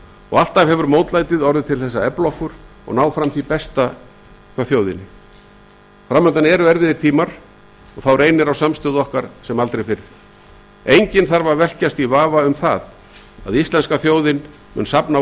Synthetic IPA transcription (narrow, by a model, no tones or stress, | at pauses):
ɔɣal̥t̪avɦɛvʏɾmoːwt̪laːjt̪ɪðɔɾðɪt̪ʰɪlθɛsːaɛplɔhkʏɾ̥ | ɔ̰ɣnaːwfɾamθipɛst̪a | kʰvaθjoːwðɪ̰nɪ | fɾamːœnt̪anɛɾʏɛɾvɪðɪɾ̥t̪ʰiːmaɾ̥ | ɔɣθawrejnɪɾawsamst̪ʏðɔhkaɾ̥sɛmalt̪ɾejfɪɾɪɾ | ejɲcɪnθaɾvaɾvɛl̥cast̪ivaːvaʏmθa̰ð | a̰ðist̪lɛnskaθjoːwðɪn | mʏ̰nsapna